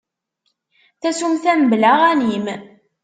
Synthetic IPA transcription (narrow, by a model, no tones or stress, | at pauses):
θæsumθæmblæʁænim